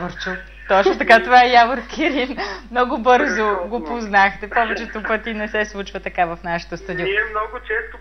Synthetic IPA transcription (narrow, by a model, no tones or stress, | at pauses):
oɾt͡ʃo | t̪ɔt͡ʃnot̪ɐkat̪ovaɛjavoɾkiɾinmnɔɡʊbɤɾzoɡopoznaxt̪ɛpɔvɛt͡ʃɛt̪opɤt̪inɛsɛslˠut͡ʃvɐt̪ɐkavɐfnaʃɛ̥t̪ost̪ad̪iiɛmnɔɡʊt͡ʃɛst̪ʊ